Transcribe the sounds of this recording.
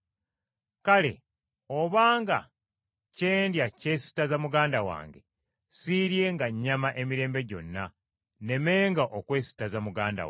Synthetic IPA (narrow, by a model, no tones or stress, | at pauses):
kale̞̰ | oβaːŋɡa | ce̞ːndjace̞si̥tazamuɡaːndawa̰ːŋɡe | siɾje̞ŋɡaɲːamaʔe̞miɾe̞ːmbe̞ɟo̞̰nːa | ne̞me̞ːŋɡaʔokwe̞ːsi̥tazamuɡaːnda̰w